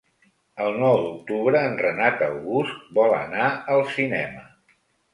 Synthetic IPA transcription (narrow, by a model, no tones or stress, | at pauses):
əlˠnɔwd̪uk̚t̪uβɾəːnrənat̪əwɣust̪̚bɔlə̰naəlˠsinɛ̰mə